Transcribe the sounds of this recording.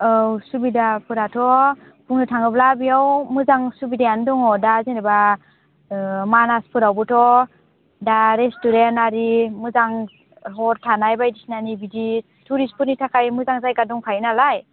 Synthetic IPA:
ɔwsubidapʰɯɾatʰɔ | pʰuŋnɯtʰaŋɯblabijawmɯzaŋsubidajandɔŋɔdazinɾɯba | manaspʰɯɾawbɯtʰɔ | daɾestuɾenaɾimɯzaŋ | ɦɔɾtʰanajbajdisnanibidi | tʰuɾispʰuɾnitʰakʰajmɯzaŋzajɡaduŋkʰajnalaj

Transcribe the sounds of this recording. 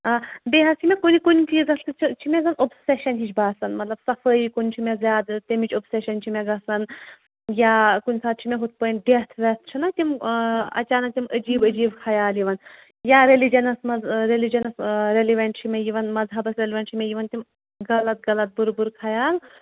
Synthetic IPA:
aːb̪eːɦɐsimʲekonikunʲt̪iizɐsɨt͡ʃʰt͡ʃʰimʲeɡɐnobseʃɐnɦit͡ʃʰbaːsɐnmɐt̪lɐbsɐfəikunʲt͡ʃʰimʲezʲjaːd̪t̪ʲimit͡ʃobseʃɐnt͡ʃʰimʲeɡɐsɐn | jaːkunʲsaːt̪̚t͡ʃʰimeɦut̪̚ʰpənɖet̪ʰʋʲet̪ʰt͡ʃʰɐnɐt̪ʲimɐ̰t͡ʃaːnɐk̚t̪ʲiməd͡ʒiːbəd͡ʒiːbkʰɐjaːljiʋɐn | jaːɾelid͡ʒɐnɐsmɐɾelid͡ʒɐnɐsɾeliʋʲɐɳʈt͡ʃʰimʲejiʋɐnmɐzɦɐbɐsɾeliʋɐɳʈt͡ʃʰimʲejiʋɐnt̪im | ɡɐlɐt̪̚ɡɐlɐt̪̚buɾbuɾkʰɐjaːl

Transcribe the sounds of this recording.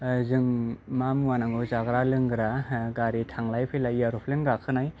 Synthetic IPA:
zɯŋmamwanaŋɡɯzaɡɾalɯŋɡɯɾaɡaɾitʰaŋlajpʰelajaɾupʰlenɡakʰɯnaj

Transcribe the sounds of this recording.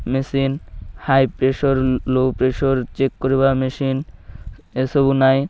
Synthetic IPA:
mesinhajpɾeʃoɾlopɾeʃoɾt͡ɕekːoɾiβameʃin | esobunaj

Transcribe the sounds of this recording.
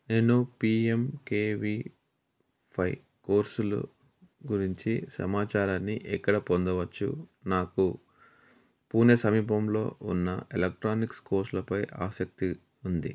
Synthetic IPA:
ne̞ːnupiːemkeːʋi | pʰɐj | ko̞ːɾsulṵ | ɡuɾiɲt͡ʃisɐ̰maːt͡ʃaːɾaːnːiʔɛkːɐɽɐpond̪ɐʋɐt͡ʃːṵnaːku | puːnesɐmiːpɐmlo̞ːunːɐelek̚ʈɾaːniksko̞ːɾslɐpɐjʔa̰ːsɐk̚t̪i | und̪ḭ

